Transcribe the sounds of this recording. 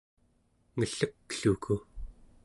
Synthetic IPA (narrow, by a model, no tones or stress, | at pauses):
ŋəɬəkɬukʰu